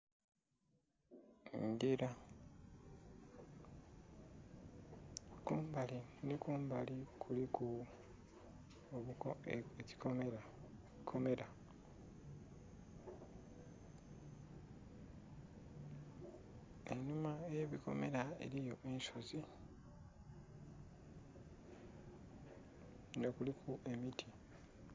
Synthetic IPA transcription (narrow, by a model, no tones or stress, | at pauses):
ndiɾa | kuːmbalinikuːmbalikʰulikʰu | oβueci̥komeɾa | kʰome̞ɾa | enumaeeβiko̞̰me̞ɾae̞̰ɾijo̞ʔensozi | ŋɡakulikʰuʔe̞mitʰi